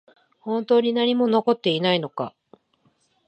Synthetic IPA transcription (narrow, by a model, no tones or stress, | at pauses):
hõ̞nt̪o̞ːɲ̟inaɲ̟imo̞no̞ko̞t̪ːe̞inaino̞ka̰